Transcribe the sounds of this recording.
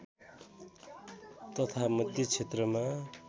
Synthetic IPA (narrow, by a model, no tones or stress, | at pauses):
t̪ʌt̪ʰamʌd̪ʱjʌt͡sʰet̪rʌma